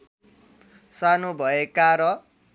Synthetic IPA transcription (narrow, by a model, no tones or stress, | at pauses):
sanobʱʌekaɾʌ